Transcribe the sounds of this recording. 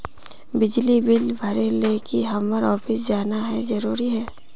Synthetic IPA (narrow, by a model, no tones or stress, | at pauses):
bɪd͡ʒlibɪlbʱɐɾelekiɦɐməɾɔːfɪsd͡ʒaːnaɦɛzɐɾuːɾiɦɛː